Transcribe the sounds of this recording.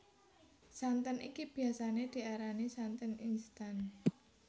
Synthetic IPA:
sant̪ənʔḭkib̥i̤asaned̪̥i̤aɾanisant̪əninst̪an

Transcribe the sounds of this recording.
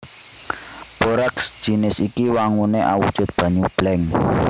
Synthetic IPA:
b̥oɾaksd̥ʒ̥i̤nɪsikiwaŋuneʔa̰wṵd̥ʒ̥ʊ̤t̪̚b̥ä̤ɲub̥lɛŋ

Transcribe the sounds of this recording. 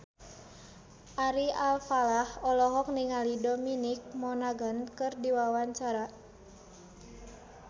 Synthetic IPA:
ʔaɾialfalahɔlɔɦɔk̚niŋalidɔminik̚mɔnaɡənkɨrdiwawaɲt͡ʃaɾa

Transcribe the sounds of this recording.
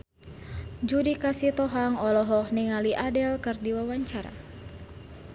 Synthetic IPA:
d͡ʒudikasit̪ɔɦaŋɔlɔɦɔhniŋaliʔadɛlkɨrdiwawaɲt͡ʃaɾa̰

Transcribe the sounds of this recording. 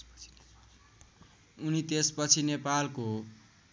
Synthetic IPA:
unit̪espʌt͡sʰinepalko

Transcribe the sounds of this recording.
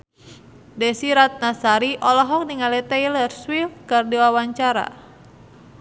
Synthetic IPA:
dɛsiɾat̪̚nasaɾiʔɔlɔɦɔk̚niŋalɛt̪ɛjlərswifkɨrdiwawaɲt͡ʃaɾa̰

